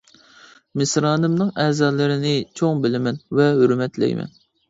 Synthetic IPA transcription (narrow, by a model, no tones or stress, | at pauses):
mɪsɾɑːnɨmnɨŋɛːzɑːlˠɨɾɪnɪt͡ʃʰoŋbɪlɪmɛnvɛɦøɾmɛt̪lɛ̰jmʔɛ̰n